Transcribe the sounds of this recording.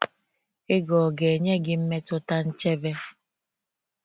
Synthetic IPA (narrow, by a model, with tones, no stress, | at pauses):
ɪ˦ɡɔ˨ɡe˨e˨ɲe˦ɡɪ˦m̩˦me˦tʊ˦ta˦n̩˦t͡ʃe˦be˦